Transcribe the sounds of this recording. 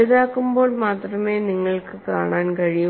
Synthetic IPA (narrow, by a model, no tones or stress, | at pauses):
ðaːkːumbo̞ːɭmaːt̪rɐme̞ːniŋːɐɭkɨkaːɳaːnkɐɻij